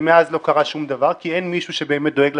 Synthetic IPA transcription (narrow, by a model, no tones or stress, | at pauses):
meazlo̞kaʁaʃumd̪avaʁkienmiʃuʃebe̞ːmet̚d̪o̞eɡl